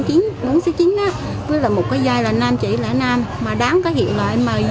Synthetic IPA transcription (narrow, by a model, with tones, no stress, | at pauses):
t͡ɕi˨˦ŋɓo˨˧˦ŋsɛː˨˦t͡ɕi˨˦ŋ̟ʔaː˨˦ | və˨˦laː˨˩mo˨˩t̚kaː˨˦jzaː˧jlaː˨˩naː˧mt͡ɕḭ˧˩˨lɛ̰ː˧˩naː˧mːaː˨˩ɗaː˨˦ŋkaː˨˦jhḭ˧˨əwlaː˨˩ʔɛ˧mməː˨˩j